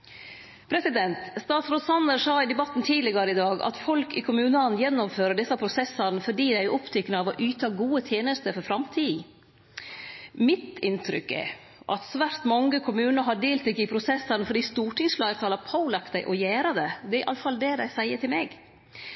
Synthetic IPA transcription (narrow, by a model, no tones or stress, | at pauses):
pʰɾɛsɪd̪ɛnt̪st̪ɑːt̪sɾoːt̪sɑnd̪əɾsɑːɪd̪ɛbɑt̪ːn̩t̪ʰiːlɪɡɑɾəɪd̪ɑːɡɑ̰t̪fɔlkɪkʰʊmʉːnɑnjɛnːɔmføːɾəɖɛsːɑpʰɾʊsɛsːɑnəfɔɖiːd̪æɪʔɔpt̪ʰʏkːnəɑʋɔʔyːt̪ʰɑːɡuːət̪ʰjeːnəst̪əɾfɔɾfɾɑmt̪ʰiː | mɪt̪ɪnt̪ʰɾʏ̰kːɛ̰ | ʔɑ̰t̪sʋæɾt̪mɑŋːəkʰʊmʉːnəɾɦɑɖeːlt̪ɾɪkːɪpʰɾʊsɛsːɑnəfɔɖiːst̪uːʈʰɪŋsflɑːɡət̪ʰɑːlɑpʰaʊlɑkt̪d̪æɪʔɔjæːɾɑd̪ɛd̪ɛæɾɪʔɑ̰lːəfɑld̪ɛd̪æɪsæɪəʈɪlmɛɡ